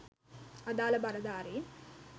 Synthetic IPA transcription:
ɐd̪aːlɐbɐɾɐd̪aːɾeː

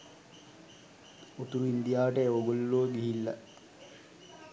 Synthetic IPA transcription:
ut̪uɾuind̪ijaːʋəʈəeʋoɡolːuəɡiɦilːɐ

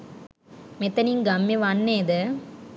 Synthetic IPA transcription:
met̪ːɐniŋɡamːeʋanːeːd̪ɐ

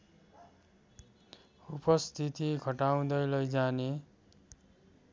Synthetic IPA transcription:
upʌst̪ʰit̪iɡʱʌʈaw̃d̪ʌjlʌjd͡zane

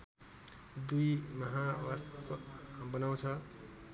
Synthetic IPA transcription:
d̪ujmʌɦawaskbʌnaw̃t͡sʰʌ

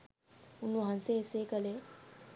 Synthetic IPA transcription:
unːuɦanseːsekəle

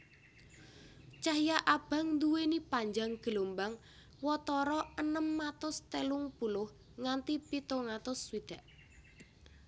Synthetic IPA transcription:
t͡ʃahjaʔab̥ä̤ŋnd̪uwenipaɲd͡ʒaŋɡ̥əlombaŋ | wɔt̪ɔɾɔənəmːat̪ʊst̪elʊŋpulʊh | ŋant̪ipit̪oŋat̪ʊswid̪̥a̤ʔ

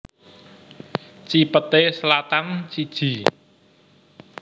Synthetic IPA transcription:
t͡ʃipət̪eslat̪ant͡ʃid̥ʒ̥i̤

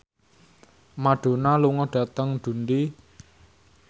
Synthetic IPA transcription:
maɖ̥o̤naluŋɔɖ̥a̤t̪əŋd̪̥ṳnd̪i

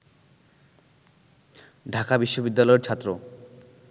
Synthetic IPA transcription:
ɖʱakabiʃːobid̪ːalɔeɾt͡ɕʰat̪ːɾo

